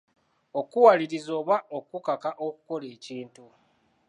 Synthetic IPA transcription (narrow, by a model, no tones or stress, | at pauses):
o̞kuwaliɾizo̞ːβaokukakaʔoku̥ko̞le̞ːciːntu